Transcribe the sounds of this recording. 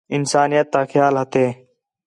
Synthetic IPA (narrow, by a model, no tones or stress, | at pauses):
ɪnsaːnijət̪ːaːxʰjaːlɦət̪eː